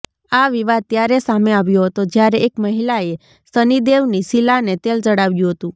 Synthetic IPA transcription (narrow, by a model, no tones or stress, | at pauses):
aʋiʋad̪̚t̪jaɾesameaʋjoɦət̪od͡ʒjaɾeekməɦilae | sənid̪eʋnisilanet̪eld͡ʒəɽaʋjũɦət̪ũ